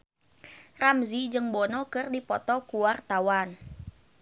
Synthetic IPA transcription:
ramzid͡ʒɨŋbɔnɔkɨrdipɔt̪ɔkuwart̪awan

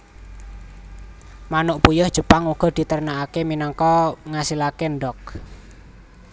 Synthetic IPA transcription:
manʊʔpujʊhd̥ʒ̥ə̤paŋuɡ̥ɔ̤d̪̥i̤t̪ərnaakeminɔŋkɔŋasilakeɳɖɔk̚

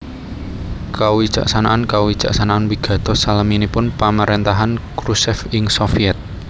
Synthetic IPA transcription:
kawid̥ʒ̥a̰ʔsanaʔankawid̥ʒ̥a̰ʔsanaanwiɡ̥ä̤d̪̥ɔ̤saləminipʊnpamaɾent̪aɦankɾusɛfɪŋsofiɛt̪̚

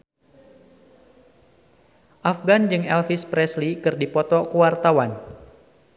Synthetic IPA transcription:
ʔafɡand͡ʒɨŋɛlfispɾɛslikɨrdipɔt̪ɔkuwart̪awan

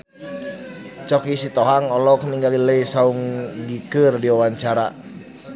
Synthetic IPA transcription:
t͡ʃɔkisit̪ɔɦaŋɔlɔk̚niŋɡaliləisauŋɡikɨrdiwawaɲt͡ʃaɾa

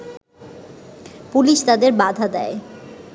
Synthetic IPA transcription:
puliʃt̪ad̪eɾbad̪ʱad̪ɛe

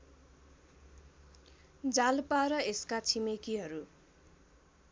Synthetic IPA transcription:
d͡zalpaɾʌeskat͡sʰimekiɦʌɾu

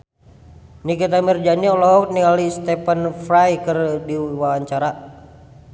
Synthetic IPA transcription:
nikit̪̬amird͡ʒaniɔlɔkniŋalist̪ɛpənfɾajkɨrdiwawaɲt͡ʃaɾa

